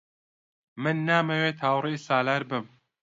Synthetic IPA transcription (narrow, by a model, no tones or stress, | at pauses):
mɨnːaːmɐweːt̪ʰaːwrijsaːlaɾbɨm